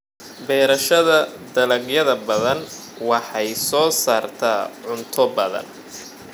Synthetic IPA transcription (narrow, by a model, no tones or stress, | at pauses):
bɛːɾɐʃɐðɐd̪ɐlɐɡjɐðɐbɐðɐn | wɑħɑjsɔːsaːrt̪ʰaːʕʊnt̪ʰɔbɐðɐ̰n